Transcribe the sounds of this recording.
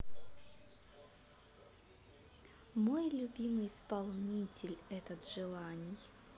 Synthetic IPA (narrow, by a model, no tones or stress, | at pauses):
mo̞jlʲʊbʲimɨjɪspɐlˠnʲitʲɪlʲɛt̪ət̪ʐɨlˠanʲɪj